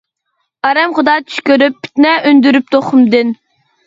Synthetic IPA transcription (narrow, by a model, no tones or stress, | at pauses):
ɑɾɛmχʊd̪ɑːt͡ʃʰy̥ʃkʲøɾyp̚ʰːi̥t̪nɛynd̪yɾyp̚t̪ʰoχʊmd̪ɨn